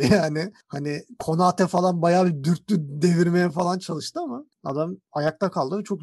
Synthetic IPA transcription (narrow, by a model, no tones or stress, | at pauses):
jaːnɪhanɪkʰo̞naːt̪ʰɛfalˠanbajaːbid̪yɾt̪lʲyd̪e̞viɾme̞jɛfalˠant͡ʃʰalˠɯʃt̪ɯama | a̰d̪amajak̚t̪akʰalˠd̪ɯvɛt͡ʃʰo̞k